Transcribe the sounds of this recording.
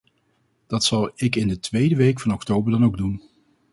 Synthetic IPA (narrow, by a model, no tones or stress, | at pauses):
d̥ɑtsɑlˠɪkɪndətʋejdəʋejkfɑnɔktowbəɹdɑnowɡ̚dun